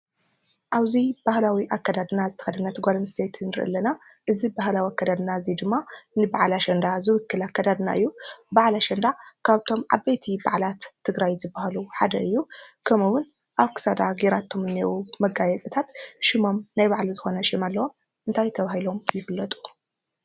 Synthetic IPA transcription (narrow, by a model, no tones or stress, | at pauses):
ʔaβzib̥ahlawiʔakːad̪ad̪ɨnazɨt̪ʰɐ̥xɐd̪ɐnɐt̪ʰɨɡʷalɐnst̪ʰet̪ʰɨnɨɾɨʔɨ̰lːɐna | ʔɨzibahlawiakːad̪ad̪ɨnazid̪ɨmːanɨbaʕlaʃɐnd̪azɨwɨkːɨlakːad̪ad̪na̰ʔɨjːubaʕlaʃɐnd̪akʰaβt̪ʰo̞mʕa̰bejt̪ʰiba̰ʕlat̪ʰːɨɡɾajzɨbːahaluħad̪ɐɨjːukʰɐmɨwʊn | ʔaβkʰɨ̥sad̪aɡeɾat̪ʰːo̞mɨnːewumɐɡajɛt͡sʼɐt̪ʰat̪ʃɪmo̞mnajβaʕlizɨxonɐʃɪmalːɐwo̞m | ʔɨnt̪ʰajt̪ʰɐβahilo̞mjɪfɨlːɐt̪ʼu̥